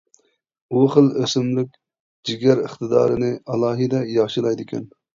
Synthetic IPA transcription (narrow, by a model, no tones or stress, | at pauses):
uχəlˠøsɪmlɪkʲ | d͡ʒiɡʲæɾəχt̪ɨd̪ɑ̰ːɾɨnɪɑlˠɑːɦɨd̪ɛjɑʁʃɨlˠɑjd̪ɪkʲɛ̰n